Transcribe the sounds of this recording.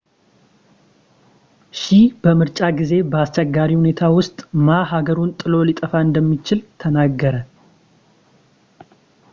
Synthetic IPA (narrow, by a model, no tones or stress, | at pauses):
ʃib̥əmɨɾt͡ʃʼaɡize̞bəast͡ʃɛɡːaɾihune̞t̪ʰawʊst̪ʼmaɦaɡəɾunt̪ʼɨlo̞lit̪ʼəfaɨnd̪əmːit͡ʃɪlt̪ʰənaɡːəɾə